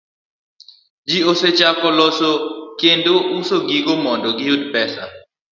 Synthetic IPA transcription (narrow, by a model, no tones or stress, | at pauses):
d͡ʒioset͡ʃakɔlɔsokendoʔusoɡiɡomɔndɔɡijud̪pɛsa